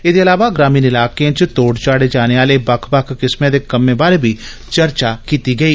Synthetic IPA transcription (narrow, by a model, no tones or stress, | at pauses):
ɪd̪eːɐlaːʋaɡɾaːmiːnɪlaːkeãt͡ʃt̪oːɽt͡ʃaːɽeːd͡ʒaːneaːlebɐkʰbɐkʰkɪsmẽd̪eːkəmːẽbaːɾebʱiː | t͡ʃəɾt͡ʃakiːt̪iɡɐiː